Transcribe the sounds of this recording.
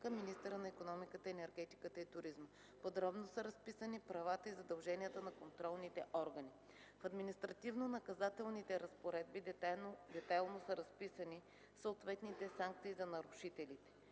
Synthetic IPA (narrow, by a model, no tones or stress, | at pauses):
kəminist̪əɾənɐikonɔmikət̪əɛnɛɾɡɛt̪i̥kət̪əit̪ʊɾizmə | pod̪ɾɔbnosəɾɐspisənipɾɐvat̪əizɐd̪ɐlˠʒɛniət̪ənɐkont̪ɾɔlˠnit̪ɛʔɔɾɡəni | fɐd̪minist̪ɾɐt̪ivnonɐkɐzat̪ɛlˠnit̪ɛɾɐspoɾɛd̪̚bid̪ɛt̪ajlˠnosəɾɐspisəni | səoot̪vɛt̪nit̪ɛsaŋk̚t̪siːzɐnɐɾʊʃit̪ɛlit̪ɛ̥